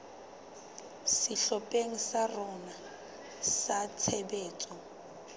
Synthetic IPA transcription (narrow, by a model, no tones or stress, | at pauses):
sɪɬɔpʼeŋ̩sarɔna | sat͡sʰɛbeːt͡sʼɔ